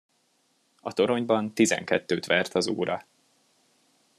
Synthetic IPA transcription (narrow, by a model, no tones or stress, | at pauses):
ɒt̪o̞ɾo̞ɲbɒnt̪izɛ̰ŋkɛt̪ːøːt̪ʋɛrt̪ʰɒzṵːɾɒ